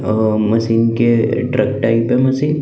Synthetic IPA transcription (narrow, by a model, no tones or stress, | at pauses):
mɐsiːnkeɖɾək̚ʈaɪpemɐsiːn